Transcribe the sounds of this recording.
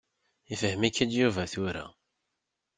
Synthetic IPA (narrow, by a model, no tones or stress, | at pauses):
ifəɦəmikːæd̪juvæθuɾa̰